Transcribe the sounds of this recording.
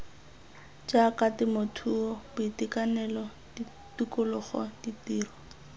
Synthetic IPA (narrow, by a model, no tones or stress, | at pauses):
d͡ʒakatɪmʊtʰuɔbʊitikanɛlɔ | di | tukʊlʊχɔ̰ditiːrɔ